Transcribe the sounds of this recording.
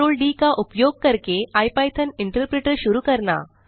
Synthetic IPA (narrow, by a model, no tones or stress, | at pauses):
oːlɖiːkaʔupjoɡ̚kəɾkeajpajt̪ʰəniɳʈəɾpɾeʈəɾɕuɾuːkəɾɳa̰